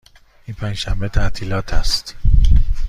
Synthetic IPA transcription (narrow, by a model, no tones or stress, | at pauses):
ʔinpʰænd͡ʒʃæmbet̪ʰæʔt̪ʰiːlɒːt̪ʰæst̪